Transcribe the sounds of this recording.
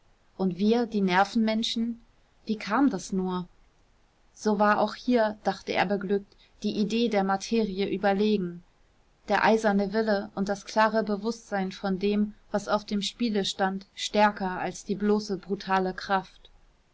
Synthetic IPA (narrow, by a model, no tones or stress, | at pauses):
ʔʊntv̥iːɐdiːnɛɐfn̩mɛnʃn̩ | viːkʰaːmdasnuːɐ | z̥oːvaːɐʔa̰ʊxhiːɐd̥aχtəʔḛːɐbəɡlʏk̚t | d̥iːʔideːdeːɐmatʰeːʁiəʔyːbɐleːɡŋ̩ | d̥eːɐʔaɪzɐnəvɪləʔʊntd̥askl̥aːʁəbəvʊstz̥aɪnfɔndeːmv̥asaʊfd̥eːmʃpiːləʃtantʃtɛɐkɐalsd̥iːbloːsəbʁutʰaːləkʁ̥aft